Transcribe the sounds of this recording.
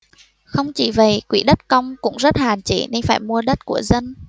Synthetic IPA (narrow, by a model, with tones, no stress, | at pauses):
xə˧wŋ͡mt͡ɕḭ˧˩və˨˩jkwḭ˧˩ɗə˦˥t̚kə˧wŋ͡mkʊ̰˧˥ŋ͡mzə˦˥t̚haː˨˩nt͡ɕḭ˧˩ni˧faː˧˩jmu˧əɗə˦˥t̚ku˧˩əzə˧n